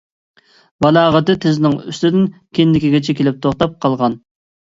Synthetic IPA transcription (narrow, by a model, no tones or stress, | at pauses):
bɑlˠɑːʁət̪ɨt̪ʰɪzɪnɪŋy̰st̪ɪd̪ɪnkʲʰenlɪkʲiɡʲɛt͡ʃʰɛkʲʰelɪp̚t̪ʰoχt̪ɑp̚qʰɑlˠʁɑn